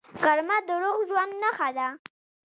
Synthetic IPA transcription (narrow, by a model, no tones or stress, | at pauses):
ɣaɾmad̪əɾoɣʒwand̪naxad̪a